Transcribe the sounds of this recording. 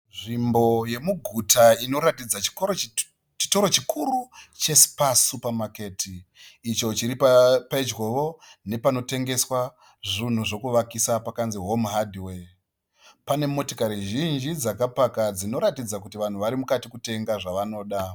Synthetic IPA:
ʐimbo̞je̞muɡʱutaino̞ɾatid͡zat͡ʃi̥oo | t͡ʃi̥to̞ɾo̞t͡ʃikʰurut͡ʃe̞si̥pasupamake̞tʰiː | t͡ʃo̞t͡ʃiɾippaid͡ʒɡo̞ʋo̞ne̞pano̞te̞ŋɡe̞swa | ʐin̤uʐo̞kuʋakisapakanziɦomɦadʱiwe | pane̞mo̞tokaɾiʒind͡ʒid͡zakapakad͡zino̞ɾatid͡zak̬utiʋan̤uʋaɾimukatikute̞ŋɡaʐaʋano̞ɗa

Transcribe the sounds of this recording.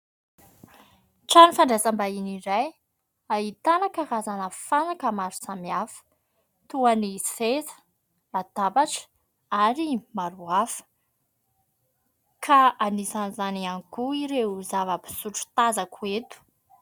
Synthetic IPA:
ʈ͡ʂanifaɳɖ͡ʐezambainiɾaj | ait̪anakərazanəfanakəmaɾu̥samiafə̥ | t̪uanisezə̥ | lad̪abaʈ͡ʂə̥ | aɾimaɾuafə̥ | kʰaanisanizaniaŋikuiɾezavəpi̥suʈ͡ʂu̥t̪azakʰuet̪u̥

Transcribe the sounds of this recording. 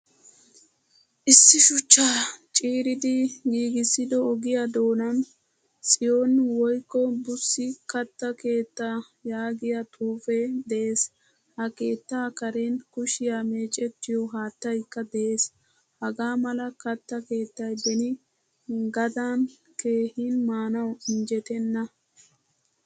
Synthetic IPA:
ʔɪsːɪʃʊt͡ʃːaːt͡ʃʼiːɾɪd̪ɪɡiːɡɪsːɪd̪ɔɔɡɪjad̪o̞ːnɐn | sʼɪjoːnwɔjkːɔbʊsːɪkɐt̪ːɐke̞ːt̪ːa | jaːɡɪjɐt̪ʼuːfɛd̪ɛʔeːs | hɐke̞ːt̪ːaːkɐɾenkʊʃɪjaːme̞ːt͡ʃʼɛt̪ːɪjɔɦaːt̪ːɐjkːɐd̪ɛʔeːs | hɐɡaːmɐlɐkɐt̪ːɐke̞ːt̪ːɐjd̪ɛnɪ | ɡɐd̪aːn | ke̞ːhiːnmaːnɐwɪnd͡ʒɛt̪ɛnːɐ

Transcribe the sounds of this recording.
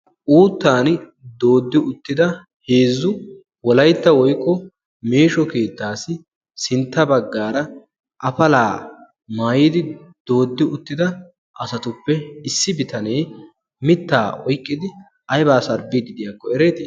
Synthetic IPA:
ʔuːt̪ːaːnd̪o̞ːd̪ːɪʊt̪ːɪd̪ɐ | heːzːʊ | wɔlɐjt̪ːɐwɔjkʼːɔ | meːʃɔke̞ːt̪ːaːsɪ | sɪnt̪ːɐbɐɡːaːɾɐ | ʔɐfɐlaː | maːjiːd̪ɪd̪̥o̞ːd̪ːɪʊt̪ːɪd̪ɐ | ʔɐsɐt̪ʊpːɛɪsːɪbɪt̪ɐne̞ː | mɪt̪ːa̰ːɔjkʼːɪd̪ɪ | ʔɐjbaːsɐɾbɪd̪ɪd̪ɪjakːɔɛɾe̞ːt̪ɪː

